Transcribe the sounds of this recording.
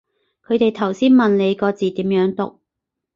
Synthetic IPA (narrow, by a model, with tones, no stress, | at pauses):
kʰɵ˨˧t̪e˨jt̪ʰɐ˨˩wsiː˥nmɐ˨nle˨˧jkɔː˧t͡siː˨t̪iː˨˥mjœː˨˥ŋt̪ʊ̰˨k̚